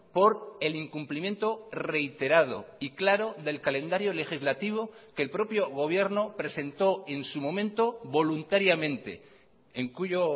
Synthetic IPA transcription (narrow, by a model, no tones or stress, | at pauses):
po̞ɾe̞liŋkumplimje̞nt̪ore̞jt̪e̞ɾað̞o̞̰iklaɾo̞ðe̞lkalẽ̞nd̪aɾjo̞le̞xizlat̪iβ̞o̞ke̞lpɾo̞pjo̞ɣ̞o̞β̞je̞ɾnopɾe̞se̞nt̪o̞e̞nsumõ̞mẽ̞nt̪o̞βo̞lunt̪aɾjamẽ̞nt̪e̞̰ | eŋkuʝo